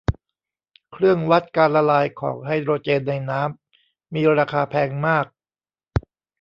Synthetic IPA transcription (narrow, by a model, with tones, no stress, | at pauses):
kʰɾɯ˥˩əŋwa˦˥t̪̚kaː˧nla˧laː˧jkʰɔ̰ː˩˦ŋɦa˥˩jɾoː˧t͡ɕeː˧nːa˧jnaː˦˥mː | iː˧ɾaː˧kʰaː˧pʰɛː˧ŋmaː˥˩k̚